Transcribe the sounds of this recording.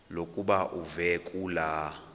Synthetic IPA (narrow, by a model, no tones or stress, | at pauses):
lokʼuɓaʔuvɛkʼuːla